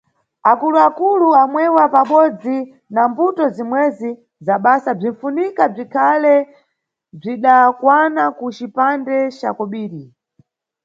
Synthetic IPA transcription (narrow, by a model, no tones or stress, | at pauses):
akuluakuluamwɛwapaɓɔd͡zi | nambutɔzimwɛzi | zaɓasab͡ʐinfunikab͡ʐikʰalɛ | b͡ʐiɗakwanakut͡ʃipandɛt͡ʃa̰kɔɓiːɾi